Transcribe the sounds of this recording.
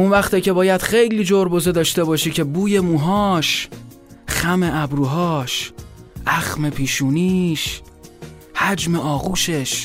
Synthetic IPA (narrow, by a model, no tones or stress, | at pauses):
unvæxt̪iːcʰe̞bɒːjæd̪̥xejliːd͡ʒoɾbozed̪ɒːʃt̪e̞bɒːʃiːcʰe̞buːje̞muːɦɒːʃ | xæme̞ʔæbɾuːɦɒːʃʔæxme̞pʰiːʃuːniːʃ | hæd͡ʒme̞ʔɒːɣuːʃe̞ʃ